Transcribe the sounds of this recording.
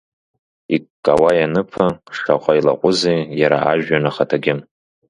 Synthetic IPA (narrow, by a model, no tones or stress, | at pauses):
ikkʼːawajanɨpʰaʂaqʷʼaila̰qʷʼʊzejjaɾa̰ʔaʒᶣanaχatʰaɡʲɪm